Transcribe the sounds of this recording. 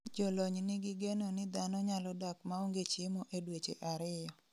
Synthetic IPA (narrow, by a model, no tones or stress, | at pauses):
d͡ʒɔlɔɲnɪɡiɡenonɪd̪anɔɲalɔdakmaoŋɡet͡ʃɪmoʔedwet͡ʃḛʔaɾɪjɔ